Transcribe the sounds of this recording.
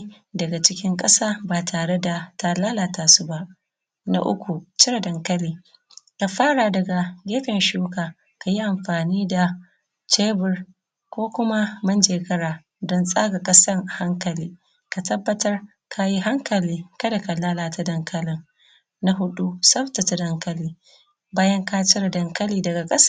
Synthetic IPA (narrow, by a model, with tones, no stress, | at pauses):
dɐ˨ɡa˨t͡ʃɪ˦kʲɪ˦ŋkʼɐ˦saː˦baː˨tʰaː˨ɽe˦da˨ta˨laː˦laː˨taː˨su˦ba˦ʔ | na̰˦ʔʊ̰˦kʷu˨t͡ʃɪ˦ɾa˨dɐ˨ŋkɐ˦liː˦ | ka˨ɸaː˦ɾaː˨dɐ˨ɡa˨ɡʲeː˦ɸɪ˨nʃuː˦kaː˨ | ka˨ji˦ʔa˨mɸaː˨niː˦da˨ | t͡ʃeː˦bɪ˦r | kʷoː˦kʷʊ˦ma˦mɐ˦nd͡ʒeː˨kɐ˦ɾaː˨ | dɔ˦nsʼaː˦ɡa˨kʼɐ˦sɐ˦ŋha˦ŋkɐ˨liː˦ | ka˨tɐ˦bːɐ˦tɐ˦r | kʰa˨ji˦ɦa˦ŋkɐ˨liː˦kɐ˦da˨ka˨laː˦laː˨ta˨dɐ˦ŋkɐ˦lɪ˦ŋ | na˦ɦʊ˦ɗu˦sɐ˦ɸta˨ta˨dɐ˦ŋkɐ˦liː˦ | baː˦jɐ˦ŋka˦t͡ʃɪ˦ɾa˨dɐ˨ŋkɐ˦liː˦dɐ˨ɡa˨kʼɐ˦s